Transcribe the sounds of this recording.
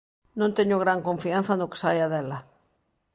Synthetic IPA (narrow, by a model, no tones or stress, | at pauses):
nõnt̪eɲoɣɾaŋkõɱfian̟θanoke̥sajaðela